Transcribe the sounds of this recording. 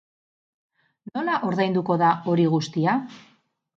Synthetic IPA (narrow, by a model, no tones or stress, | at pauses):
no̞naʔo̞ɾðajnd̪uko̞ðao̞ɾiɣust̪ia